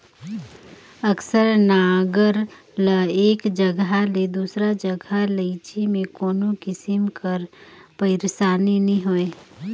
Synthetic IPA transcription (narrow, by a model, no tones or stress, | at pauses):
əksəɾnaːɡəɾ | ləeːkd͡ʒəɡɦaled̪uːsɾad͡ʒəɡʱaləɪt͡ʃimẽkoːnõkɪsɪmkəɾpəɪɾsaːninɐɦĩɦoːeː